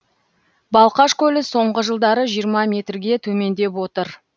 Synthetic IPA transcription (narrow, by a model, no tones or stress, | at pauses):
bɑlˠqɑʃkʲʰɵlɪso̞ɴʁəʒəlˠd̪ɑɾəʒijəɾmɑmʲe̞t̪rɡʲe̞t̪ʰɵme̞nd̪e̞pwo̞t̪əɾ